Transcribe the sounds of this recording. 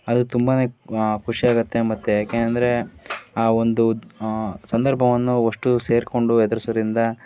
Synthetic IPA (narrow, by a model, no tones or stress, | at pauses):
ɐd̪ut̪umbaːne̞ːkʰuʂiaːɡut̪ːe̞mɐt̪ːejaːkenɐnd̪ɐɾe̞aːo̞nd̪u | sɐnd̪ɐɾbʱɐʋɐnːuoʂʈuse̞ːɾko̞ɳɖuɛd̪ɐɾusɐʋɾind̪ɐ